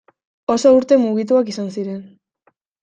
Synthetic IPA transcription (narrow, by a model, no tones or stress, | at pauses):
o̞souɾt̪e̞muɣit̪̬uakisansiɾe̞n